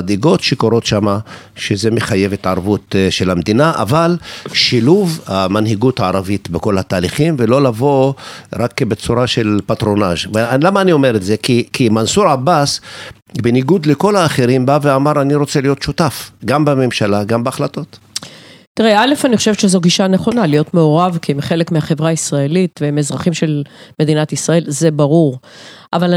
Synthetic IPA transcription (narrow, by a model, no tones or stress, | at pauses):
ad̪iɡo̞t̪ʃekoɾo̞t̪ʃamaʃezemeχaje̞vet̪ʕaʁvut̪ʃelamd̪inaʔa̰valʃiluvhamanhiɡuthaaɾavit̪beko̞lhat̪aːliχimvelo̞lavo̞ʁakːbet͡suɾaʃe̞lpat̪ɾo̞naʒvlamaːnio̞meɾetze̞kikimansuɾabas | beniɡud̪leko̞laːχeɾimbaveamaɾaniɾo̞t͡selijo̞t̪ʃut̪afɡambeme̞mʃalaɡambeaχlat̪o̞t̪ | t̪iʁeale̞faniχoʃevʃezoɡiʃaneχo̞nalijo̞tme̞oʁavkimχe̞lekmeaχevʁaisʁaelit̪vemezʁaχimʃe̞lme̞d̪inat̪isʁae̞lze̞baʁuʁʔaval